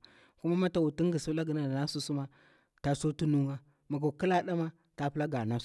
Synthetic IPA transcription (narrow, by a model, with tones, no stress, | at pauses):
ku˦ma˦ma˦ta˨wu˨ti˦ŋ˦ɡi˨sla˦ɡi˨na˨na˦su˦su˦ma˦ | ta˨so˦tu˦nu˦ŋa˦ | ma˨ɡo˨ki˦la˦ɗa˦ma˦ | ta˨pla˦ɡa˨na˦